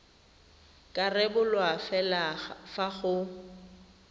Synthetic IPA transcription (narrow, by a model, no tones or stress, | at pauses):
kʼarɛbʊlwafɛlafaɣʊ